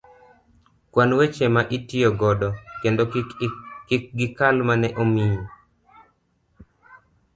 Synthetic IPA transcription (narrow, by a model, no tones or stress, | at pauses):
kwanwet͡ʃemaʔitɪoɡɔdɔkendo | kɪk̚ɡɪkalmanɛʔomijo